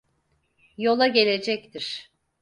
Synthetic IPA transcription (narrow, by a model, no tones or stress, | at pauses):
jo̞lˠaɟe̞lʲe̞d͡ʒɛct̪ʰiɾ̥